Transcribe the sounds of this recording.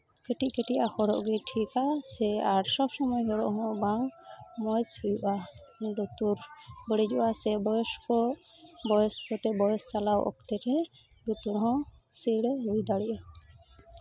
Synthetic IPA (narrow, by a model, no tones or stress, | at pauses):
kɛʈic̚kɛʈijʔahɔɾɔʔɡɛʈʰikasɛaɾsɔbsɔmɔjɦɔɾɔ̰ʔɦɔ̃baŋmɔjt͡ʃujuʔaɖɔt̪uɾbəɽid͡ʒɔʔasɛbɔjɔskɔ | bɔjɔskʰɔt̪ɛbɔjɔst͡ʃalawʔɔ̰kt̪ɛɾɛ | ɖut̪uɾɦɔ̃ | siɽɛɾujd̪aɽiʔa